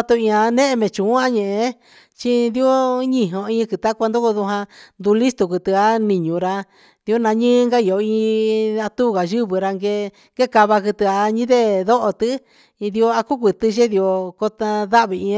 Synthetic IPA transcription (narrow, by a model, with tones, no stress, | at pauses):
a˧t̪u˧ĩ˧ã˧nẽ˦ʔe˧mẽ˨t͡ʃũ˨˦a˦ɲẽ˨e˧˦ | t͡ʃi˦nd̪i˦o˦ɲĩ˧ɦõ˧ĩ˦˧kɨ˨t̪a˦kʷa˧nd̪o˦ku˧ðu˧ɦã˧nd̪u˧li˦st̪u˨ku˧t̪ɨ˧a˦nĩ˨ɲũ˨ɾa˧ | di˧o˦nã˧ɲɨ̃ː˦ŋɡa˦i˨o˧ĩ˧a˧t̪u˦˨ɣa˨ʒɨ˦βɨ˧ɾa˧ŋɡe˧ | ɡe˦ka˧βa˧kɨ˧t̪ɨ˧a˧ɲĩ˦ðe˦ðo˦ʔo˧t̪ɨ˦ | i˧ði˧o˧a˧ku˦k̬ʷi˨t̪ɨ˧ʒe˦ði˧o˧ko˧t̪a˧ða˦ʔβi˨˧ĩ˧˦